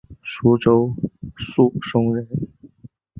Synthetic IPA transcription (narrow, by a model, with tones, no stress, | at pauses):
ʂu˧˥ʈ͡ʂo˥ʊsu˥˩ʂʊ˥ŋɻə˧˥n